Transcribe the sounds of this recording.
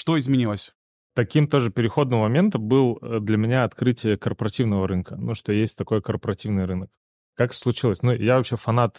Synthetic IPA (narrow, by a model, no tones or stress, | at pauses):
ʂt̪oɪzmʲɪnʲilˠəsʲ | t̪ɐkʲimt̪o̞ʐɨpʲɪɾʲɪxo̞d̪nɨmːɐmʲe̞nt̪əmbɨlˠəd̪lʲəmʲɪnʲaɐt̪kɾɨtʲɪjəkərpəɾɐtʲivnəvəɾɨnkənuʂt̪ojesʲtʲt̪ɐko̞jkərpəɾɐtʲivnɨjɾɨnək | kːakslˠʊt͡ɕilˠəsʲnujavɐpɕefɐnat̪